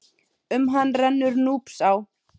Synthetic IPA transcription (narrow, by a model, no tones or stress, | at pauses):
ʏmɦanːrɛnːʏɾnuːpsaw